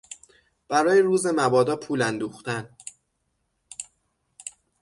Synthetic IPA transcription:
b̥æɾɒːjeɾuːze̞mæbɒːd̪ɒːpʰuːlænd̪uːxt̪æn

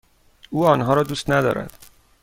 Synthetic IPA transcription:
uːɒːnɦɒːɾɒːd̪uːst̪næd̪ɒ̰ːɾæ̰d̪̥

